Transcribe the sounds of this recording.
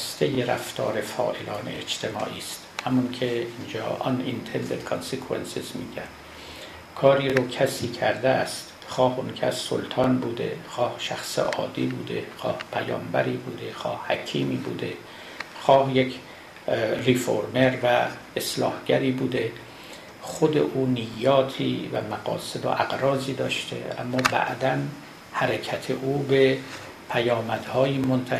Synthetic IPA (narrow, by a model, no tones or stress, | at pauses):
st̪ejeɾæft̪ʰɒːɾefɒ̰ːʔelɒːnḛed͡ʒt̪ʰemɒ̰ːʔiːst̪hæmuŋkʰeind͡ʒɒ̰ːʔɒ̰nint̪ʰend̪ed̪̥kʰɑnsikʰuwḛnsizmiːɟænd̪ | kʰɒːɾiːɾokʰæsiːkʰæɾd̪eæst̪ | xɒːhunkʰæsːo̰lt̪ʰɒːnbuːd̪ḛxɒːhʃæxsḛʔɒːd̪ḭːbuːd̪exɒːhpʰæjɒ̰ːmbæɾiːbuːd̪e̞xɒːhhækʰiːmiːbṵːd̪e | xɒːhjekʰ | rifo̰ɾmeɾvæ | eslɒ̰ːhɡæɾiːbuːd̪e | xod̪ḛʔuːnijːɒːt̪ʰiːvæ̰mæɡɒ̰ːsed̪o̰ʔæɡɾɒːziːd̪ɒːʃt̪ʰḛʔæ̰mːɒːbæ̰ʔd̪æn | hæɾekʰæt̪ʰeʔuːbe | pʰæjɒːmæd̪̥hɒːjiːmont̪ʰæ